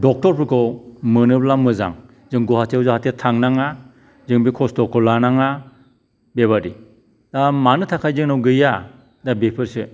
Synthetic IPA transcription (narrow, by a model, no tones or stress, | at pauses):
dɔk̚tɔɾpʰɯkʰɔmɯnɯplamɯza̰ŋ | zɯŋɡɔhatʰeawzahatetʰaŋnaŋa | zɯŋbikʰɔstɔkʰɔlanaŋa | beβaɾi | damanɯtʰakʰajzɯŋnawɡɯja | dabepʰɯɾsɯ